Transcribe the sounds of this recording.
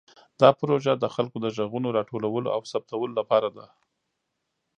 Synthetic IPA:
d̪̥ɑpɾoʒad̪əxalkod̪əʒaɣunoɾɑʈolawəlo̰a̰wsap̚t̪awəlolapɑɾad̪a

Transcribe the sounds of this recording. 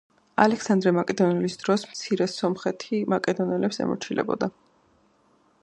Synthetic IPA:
a̰lɛksand̪ɾɛmakʼɛd̪ɔnɛlisd̪ɾɔsmt̪sʰiɾɛsɔmχɛt̪ʰimakʼɛd̪ɔnɛlɛpsɛ̰mɔ̰ɾt͡ʃʰilʔɛ̰bɔ̰d̪a

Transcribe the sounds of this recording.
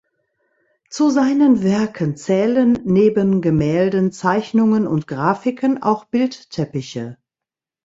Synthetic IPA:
t͡suzaɪnənvɛɐkʰənt͡sɛːlənːeːbənɡəmɛːldənt͡saɪçnʊŋənʊ̰ntɡ̥ʁaːfɪkʰəna̰ʊxb̥ɪlttʰɛpɪçə̰

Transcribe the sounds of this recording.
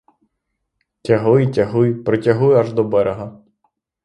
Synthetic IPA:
tʲɐɦʊjtʲɐɦʊjpɾɔtʲɐɦujʊɐʒd̪ɔbɛɾeɦɐ

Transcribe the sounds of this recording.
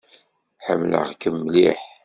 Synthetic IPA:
ħəmːlə̰ʁkəmːliħ

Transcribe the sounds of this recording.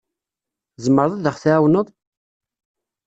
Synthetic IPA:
zəmːəɾˤðˤaðəχθæːwnəðˤ

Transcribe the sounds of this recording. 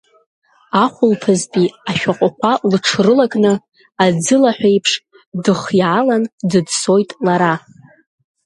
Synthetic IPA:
aχʷʊlpʰɨzpʼiaʃᶣaqʷʼaχʷʰalɨʈ͡ʂʰrɨlakʼnɨ | ad͡zɨlaħʷᶣejpʰʂ | dɨχjʕalandɨdso̞jtʼlaɾa

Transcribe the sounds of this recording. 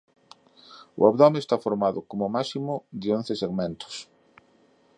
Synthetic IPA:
ʊ̰aβðɔmest̪afoɾmaðʊkomʊmasimʊd̪eonθeseɣmẽnt̪ʊ̥s

